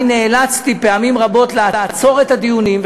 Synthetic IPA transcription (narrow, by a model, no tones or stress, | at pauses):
neːlat͡st̪ipe̞amimʁabo̞t̪leaat͡so̞ʁe̞t̪ad̪ijunimv